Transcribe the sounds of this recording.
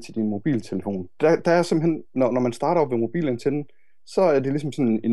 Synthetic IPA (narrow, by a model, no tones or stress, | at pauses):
t͡sʰe̝d̥inmo̝b̥ḭːlt͡sʰe̝ləfo̝̰ːnd̥æd̥ææɐsemb̥m̩ɦen̰ːɒnɒmænsd̥ɑ̈ːɾɐɒbʋemo̝b̥ḭːlənt͡sʰed̥n̩ | sɒ̽æɐd̥e̝lis̬ɒ̽m̩sɒ̽ne